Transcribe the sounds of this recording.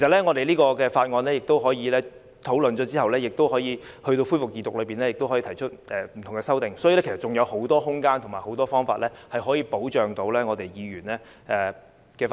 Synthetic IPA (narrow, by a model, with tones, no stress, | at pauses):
kʰe˩sɐ˨t̚lɛ˥ŋɔː˨˧t̪e˨jliː˥kɔː˧kɛː˧faː˧t̚ŋɔː˧nlɛː˥jɪ˨k̚t̪o˥wɦɔː˨˥jiː˨˧lɛː˥ | t̪ʰo˨˥wlɵ˨nt͡ʃɔː˨˥t͡siː˥hɐ˨wlɛː˥jɪ˨k̚t̪o˥whɔː˨˥jiː˨˧hɵ˧ɥt̪o˧wfu˥fʊ˨k̚ːiː˨˧t̪ːʊ˨k̚lɵ˨˧ɥpiː˨nɛː˥jɪ˨kt̪o˥wɦɔ˨˥iː˧t̪ʰjt͡ʃʰɵ˥t̚ʔɛː˨m̩ʰ˨˩ʊ˨˩ŋɛː˧sɐ˥wt̪ɪ˨ŋsɔː˨˥ji˨˧ɛ˥kʰs̚t͡ʃʊ˨ŋjɐ˨˧who˨˥wt̪ɔː˥hʊ˥ŋkaː˥nt̪ʰʊ˨˩ŋmaː˨˩jho˨˥wt̪ɔː˥fɔː˥ŋfaː˧t̚lɛː˥hɐ˨jhɦɔː˨˥jiː˧po˨˥wt͡ʃœː˨ŋt̪o˧wlɛː˥ŋɔː˨˧t̪e˨jjiː˨˧ɥyː˨˩nlɛː˥ | ʔɛː˨˩ | kɛː˧f